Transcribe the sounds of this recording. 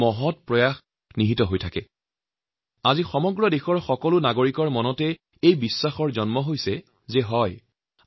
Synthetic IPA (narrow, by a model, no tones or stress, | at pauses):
mɔɦɔtpɹɔjax | niɦitɔɦojtʰakɛ | azixɔmɔɡɹɔdexɔɹxɔkɔlʊnaɡoɹikɔɹmɔnɔtɛ | ejbisːaxɔɹzɔnmɔɦojsɛ | zɛɦɔj